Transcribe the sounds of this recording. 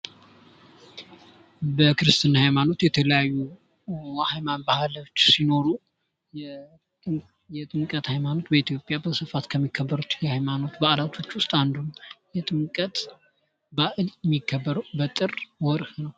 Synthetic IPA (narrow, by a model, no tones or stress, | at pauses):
bəkɨɾɨst̪ʰɨnːhajmano̞t̪jɛt̪ʰələjajːu | hajmanbahlwt͡ʃːsino̞ɾu | jɛt̪ʼɨŋkʼət̪hajmano̞t̪bəit̪ʰjo̞pʼːjabəsɨfat̪kʰəmːikʰːəbːəɾut̪jɛhajmano̞t̪baʔlat̪ʰo̞t͡ʃːwʊst̪ʼand̪umjɛt̪ʼɨŋkʼət̪ʼ | baʔɨljɛmːikʰːəbːəɾbət̪ʼɨrwɔɾhnəw